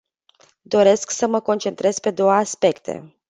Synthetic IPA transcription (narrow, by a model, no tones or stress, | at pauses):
d̪o̞ɾe̞sksəməko̞nt͡ʃe̞nt̪ɾe̞z̥ʲpe̞d̪o̞wəaspe̞kt̪ʰe̞̰